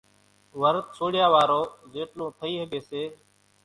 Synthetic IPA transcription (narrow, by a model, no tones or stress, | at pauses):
ʋəɾt̪̚soːɽjaːʋaːɾoːzeːʈlõːt̪ʰəiːɦəɠeːseː